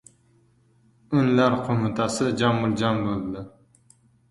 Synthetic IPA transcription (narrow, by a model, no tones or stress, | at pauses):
ʊnlaɾqʰomɪt̪ʰasɪd͡ʒamːʊɾd͡ʒambolˠd̪ɪ